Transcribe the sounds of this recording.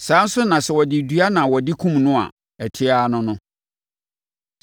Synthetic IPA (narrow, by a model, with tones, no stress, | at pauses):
sãː˨˦n̩˦sʊ˦nã˨sɛ˨wɔ˨dɪ˨dɥa˦nã˨wɔ˨dɪ˦kʰũ˦mnʊ̃˦a̰˨ | ɛ˨tʰɪ˦aː˦nʊ̃˦nʊ̃˦